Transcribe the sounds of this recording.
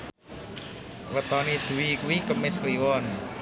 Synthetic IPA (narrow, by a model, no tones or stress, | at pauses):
wət̪ɔnid̪̥ṳwikuwikəmɪskliwɔn